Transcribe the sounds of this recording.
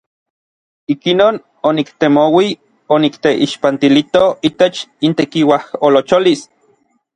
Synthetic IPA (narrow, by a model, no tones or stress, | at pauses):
ikinoːn | onikt̪emowi | onikt̪eʔiʃpant̪ilit̪oit̪et͡ʃint̪ekiwaholot͡ʃolis